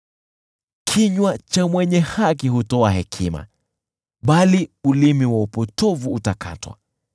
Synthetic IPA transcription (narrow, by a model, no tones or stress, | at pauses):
kʰiɲwat͡ʃamwɛɲɛhak̬iɦutɔaɦɛkʰima̰ | ɓaliulimiwaupɔtɔvuːtakʰa̰twa̰